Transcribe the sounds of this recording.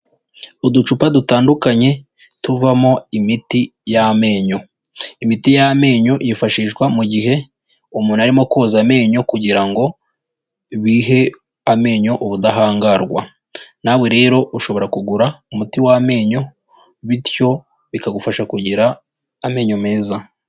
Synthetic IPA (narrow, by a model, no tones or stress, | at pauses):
udut͡ʃupadutaːndukaɲe̞ | tuvamo̞imitijame̞ːɲo̞ | imitijame̞ːɲo̞ʔjifaʃiːʃɡwamuɟiɦe̞ | umuːnaɾimo̞koːzame̞ːɲo̞kuɟiɾaŋɡo̞ | βiːɦe̞ | ame̞ːɲo̞ʔoβudaɦaːŋɡaɾɡwa̰ | naβwe̞ɾe̞ːɾo̞ʔuʃo̞βo̞ɾakuɡuɾaumutiwame̞ːɲo̞ | βitjo̞ | βikaɡufaʃakuɟiɾaː | me̞ːɲo̞me̞ːza